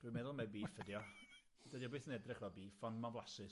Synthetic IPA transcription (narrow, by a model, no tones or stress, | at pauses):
d̥wimɛðʊlˠmɛbiːfədjɔ | d̥ədjɔbeːθənɛdrɪχvɔbiːfɔnmablasɨ